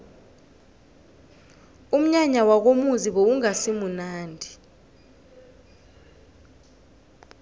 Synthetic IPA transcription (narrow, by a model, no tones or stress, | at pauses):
um̩ɲaɲawak̬omuziɓouŋasimunaːndʱi